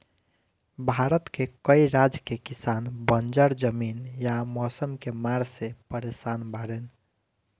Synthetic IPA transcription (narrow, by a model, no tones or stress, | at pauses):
bʱaɾət̪kekəiɾad͡ʒkekisanbənd͡ʒəɾd͡ʒəminjamɔsəmkemaɾsepəɾesanbaɾen